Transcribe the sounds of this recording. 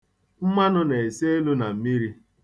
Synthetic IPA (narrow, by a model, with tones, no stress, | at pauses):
m̩˦ma˦nʊ˦ne˨e˨se˦e˦lu˦na˨m̩˦mi˦ɾi˦